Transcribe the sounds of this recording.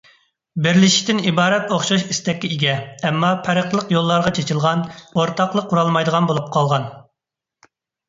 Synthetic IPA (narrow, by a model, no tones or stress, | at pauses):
bɪɾlɪʃi̥t̪ɪnibɑːɾɛt̪oχʃɑʃist̪ɛkʲːiiɡʲɛɛmːɑpʰæɾəqlˠəqjolˠːɑɾʁɑt͡ʃʰet͡ʃʰiɪlˠʁɑnoɾt̪ʰɑqlˠəqːuɾɑlˠmɑjd̪əʁɑnbolˠup̚qʰɑlˠʁɑn